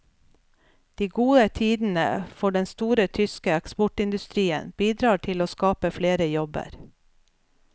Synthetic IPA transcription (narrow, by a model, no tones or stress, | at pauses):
d̪̥iːɡuːət̪ʰiːd̪n̩ə̰fɔɖɛnst̪uːɾət̪ʰʏskəɛkspɔʈɪnd̪ʉst̪ɾiːə̰nb̥iːd̪ɾɑːʈʰɪloːskɑːpəfleːɾəjɔbə̰ɾ